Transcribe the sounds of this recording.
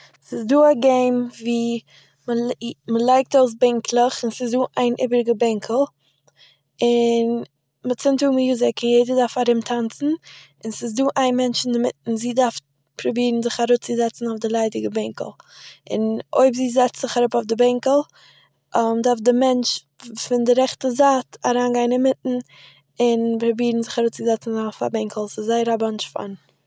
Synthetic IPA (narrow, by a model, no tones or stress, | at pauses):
sɪsduːaɡeɪmviː | məməlˠaɪk̚taʊs̬bɛŋkʰlˠəχɪnsɪsduːʔaɪnʔɪ̰bəɾɡəbɛŋkʰl̩ˠ | ɪn | mɪtt͡sɪntuːmjuːzɪkʰɪnjeɪdədaɾfaɾɪmtʰant͡sn̩ | ɪnsɪs̬duːʔaɪnmɛnt͡ʃɪndɪmɪt̩ziːdaɾf | pɾʊbiːɾn̩zɪχaɾut͡sɪzɛt͡sn̩aʊfdɪlˠaɪdɪɡəbɛŋkə̰l̩ˠɪ̰no̰ɪbziːzɛt͡stz̥ɪχaɾʊpaʊfdɪbɛŋkəl̩ˠ | ʔmdaɾfdɪmɛnt͡ʃ | fɪndɪɾɛχtəzaːtaɾaːnɡaɪnɪnmɪtn̩ | ɪnpɾʊbiːɾn̩zɪχaɾuːt͡sɪzɛt͡sn̩zɪfa̰bɛŋkʰəl̩ˠsɪszaɪəɾabant͡ʃfa̰n